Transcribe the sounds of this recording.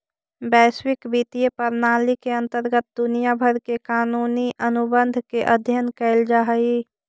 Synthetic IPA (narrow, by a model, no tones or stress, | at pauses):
bɛswɪkbit̪ijəpəɾnaːlikeə̃nt̪əɾɡət̪̚d̪ʊnijabʱəɾkekaːnuːniʔənubənd̪ʱkeʔəd̪ʱjənkɛɪld͡ʒaːɦəi